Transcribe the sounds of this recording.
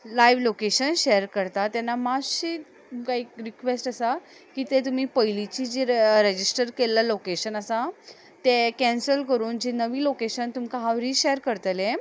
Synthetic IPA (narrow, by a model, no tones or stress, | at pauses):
lajʋlokeɕənɕeəɾkəɾt̪at̪anːamaɕi | mkaiːɾikʋesʈəsa | kiːt̪et̪um̤iːpəjlit͡ɕiːd͡ʑeɾed͡ʑisʈəɾkelːalokeɕənəsa | t̪ekɛ̃nsəlkəɾuːnd͡ʑenəʋiːlokeɕənt̪umkaɦaʋɾiːɕejəɾkəɾt̪lẽ